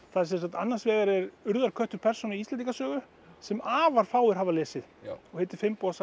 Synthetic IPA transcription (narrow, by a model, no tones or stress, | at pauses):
θaðɛɾsɛns̬at̪anːansvɛːɣaɾɛɾʏɾðaɾkʰœht̪ʏɾpʰɛr̥sɔnɪiist̪ɛnikasœːɣʏ | sɛmaːvaɾ̥faːwɪɾɦaːvalɛːsɪðɔhɛt̪ɪ̥fɪmpɔsa